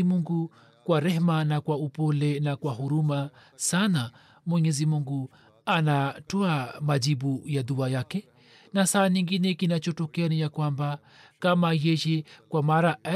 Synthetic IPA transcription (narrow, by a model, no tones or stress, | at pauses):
imuŋɡu | kwaɾɛhmanakwaupɔlɛnakwaɦuɾuma | sana | mwɛɲɛzimuŋɡu | anatɔamad͡ʒibujaðuajakɛ | nasaːniŋɡinɛkinat͡ʃɔtɔkɛanijakwamba | kamajɛjɛkwamaɾaa